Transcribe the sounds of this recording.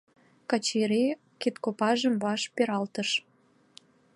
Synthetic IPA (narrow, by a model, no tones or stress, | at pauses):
kɑt͡ɕeɾe | kit̪kopɑʒəmβɑʃpeɾɑlt̪əʃ